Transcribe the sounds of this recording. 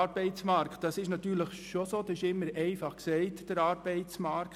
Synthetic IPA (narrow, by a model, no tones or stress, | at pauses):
ɑɾb̥ɛɪt͡smɑɾktd̥ɑsɪʃnɑt̪ːyːɾləχʃosoːdɑsɪʃɪmːəɾɛɪfɑχksɛɪtd̥əɾɑːɾbɛɪt͡smɑɾk